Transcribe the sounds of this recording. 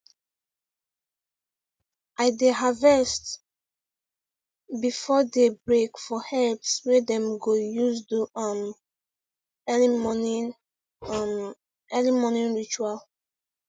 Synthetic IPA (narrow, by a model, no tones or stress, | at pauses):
aɪdeɦavɛst | bifɔdebɹekfɔhɛlpswɛdɛ̃mɡojuzduam | ɛlimonĩnɹit͡ʃual